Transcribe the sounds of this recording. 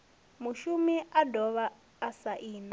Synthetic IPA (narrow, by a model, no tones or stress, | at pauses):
muʃumiʔadʱɔβaː | saʔiːna